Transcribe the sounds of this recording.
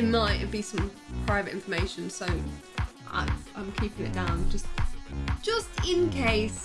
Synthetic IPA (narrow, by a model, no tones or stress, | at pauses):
maɪtəbisʌ̃m | pʰɹ̥aɪvətɪ̃ɱfəmeɪʃə̃nsəʊ | ʔa̰ɪ̃ãɪ̃mkʰiˑpɪ̃ŋɪ̰ʔ̚d̥ãʊ̃nd͡ʒʌstd̥ʒ̥ʌstɪ̃nkʰeɪs